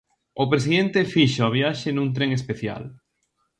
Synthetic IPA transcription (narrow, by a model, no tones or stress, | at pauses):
opɾesiðẽnt̪efiʃaaβjaʃenũŋt̪̬ɾeŋespeθja̰l